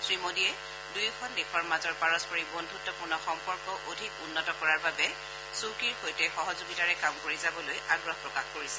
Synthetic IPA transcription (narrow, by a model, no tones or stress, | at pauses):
sɹimodiɛ | dujkʰɔndexʰɔɹmazɔɹpaɹɔspɔɹibondʱutːɔpʊɹnɔxɔmpɔɹkɔʔodʱikunːɔtɔkɔɹaɹbabɛ | sukiɹxojtɛxɔɦɔzoɡitaɹɛkamkoɹizabɔlojʔaɡɹɔpɹɔkaxkoɹisɛ